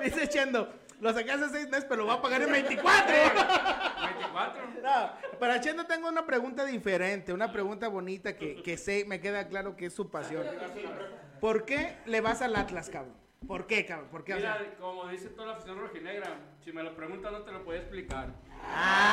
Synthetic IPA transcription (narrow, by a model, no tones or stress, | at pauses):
d̪iset͡ʃend̪o̞ | lo̞s̬akas̬as̬ejzmespeɾoloβapaɣaɾenmbejnt̪ikwat̪ɾo | mbejnt̪iikwat̪ɾonopaɾat͡ʃjend̪ot̪̬e̞ŋɡo̞unapɾe̞ɣunt̪̬aðife̞ɾent̪e̞unapɾe̞ɣunt̪aβo̞nit̪akekeseme̞k̬e̞ðaklaɾo̞keesːupasjo̞n | po̞ɾke̞le̞βasalat̪laskaβo̰ | po̞ɾke̞kaβopo̞ɾkeβaakomoðiset̪oðalafi̥sjonroxineɣɾa | sime̞lopɾeɣunt̪anot̪elopoðijaesplikaɾa